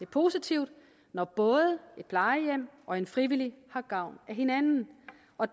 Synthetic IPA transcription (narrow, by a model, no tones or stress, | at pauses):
epʰo̝ːsit͡sʰiʊ̰d̥ | nɒb̥ɔ̽ːð̞ˠəe̝d̥̚pʰlɑ̈ɪəjem̰ʔɒ̽e̝nfʁiʋilihɑ̈ɡ̥ɑ̈ʊ̰næɦe̝nænn̩ | ɒ̽